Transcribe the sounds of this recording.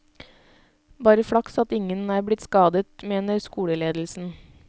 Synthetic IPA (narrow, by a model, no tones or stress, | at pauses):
bɑːɾəfɽɑksɑt̪ɪŋənæːɾblɪt̪skɑːd̪ət̪meːnəɾskuːɽəleːd̪l̩sn̩